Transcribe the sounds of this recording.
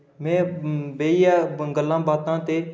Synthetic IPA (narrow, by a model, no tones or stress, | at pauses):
mɛ̃ːbeːijaːɡəlːãːbaːt̪ãːt̪eː